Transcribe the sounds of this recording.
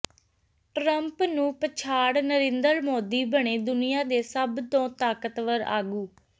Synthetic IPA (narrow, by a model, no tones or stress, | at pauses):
ʈɾəmpnũːpət͡ʃʰaːɽnəɾẽnd̪əlmoːd̪iːbəɳ̃eːd̪ʊnɪjãːd̪eːsəbt̪õːt̪aːkət̪ʋəɾa̰ːɡuː